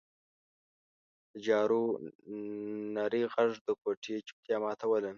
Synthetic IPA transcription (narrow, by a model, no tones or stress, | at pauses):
d̪̥əd͡ʒɑːɾu | naɾiɣaʐd̪əkoʈʰet͡ʃu̥p̚t̪jɑmɑːt̪ʰawələ